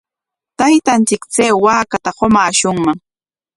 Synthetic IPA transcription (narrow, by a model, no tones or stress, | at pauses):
t̪ajt̪ant͡sɪkt͡seːwaːkat̪aɢomaːʃʊŋmaŋ